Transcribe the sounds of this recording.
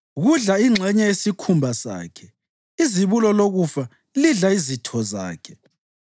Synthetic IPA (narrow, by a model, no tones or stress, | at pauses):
ɣuɮaiŋ͡ǁʱɛɲɛjesikʰumbʱasa̰ːkʰɛ | iziβulɔloɣufa | liɮaizitʰɔza̰ːkʰɛ̥